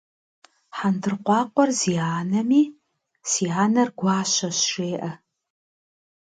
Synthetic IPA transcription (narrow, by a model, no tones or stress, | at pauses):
ħandɨrqʷɑːqʷɔrziːaːnɐmiː | siːaːnɐrɡʷɑːɕɐɕʃeːʔɐ